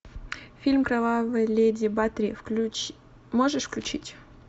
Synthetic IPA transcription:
fʲilʲmkɾɐvavɨlʲedʲɪbat̪ɾʲɪ | moʐɨʂfklʲʉt͡ɕitʲ

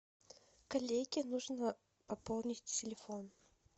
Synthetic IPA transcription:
kɐlʲeɡʲɪnuʐnə | pɐpolˠnʲɪtʲtʲɪlʲɪfon

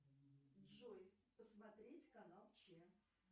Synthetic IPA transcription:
dʐojpəsmɐt̪ɾʲetʲkɐnalˠt͡ɕe

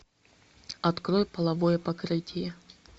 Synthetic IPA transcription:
ɐt̪kɾojpɐlˠɐvojəpɐkɾɨtʲɪjə

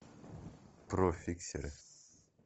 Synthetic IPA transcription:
profʲiksʲḛɾʲ

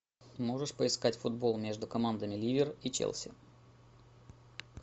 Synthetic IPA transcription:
mo̞ʐɨʂpəɪskatʲfʊd̪̚bo̞lˠmʲe̞ʐd̪ʊkɐmand̪əmʲɪlʲivʲɪrit͡ɕḛlˠsʲɪ̰

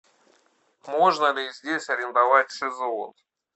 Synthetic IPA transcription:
mo̞ʐnəlʲɪzʲdʲesʲɐɾʲɪnd̪ɐvatʲsʲɪzon

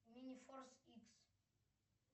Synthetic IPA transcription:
minifɔrsiks

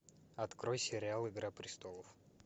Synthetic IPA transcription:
ɐt̪kɾojsʲɪɾʲɪalˠɪɡɾapɾʲɪst̪olˠəf

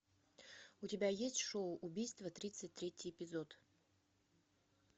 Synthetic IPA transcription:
ʊtʲɪbʲajesʲtʲʂoʊʔʊbʲijst̪vət̪ɾʲit̪sɨt̚ʲt̪ɾʲetʲɪjɪpʲɪzot̪

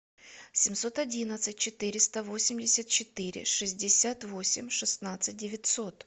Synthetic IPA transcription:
sʲɪmʲso̞t̪ɐdʲinət̪sɨt̚ʲt͡ɕɪt̪ɨɾʲɪst̪əvo̞sʲɪmʲdʲɪsʲət̪̚t͡ɕɪt̪ɨɾʲɪ̰ʂɨzʲdʲɪsʲat̪vo̞sʲɪ̰mʲʂɨsnat̪sɨt̚ʲdʲɪvʲɪtʲso̞t̪

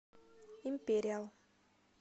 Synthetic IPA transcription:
ĩmpeɾial

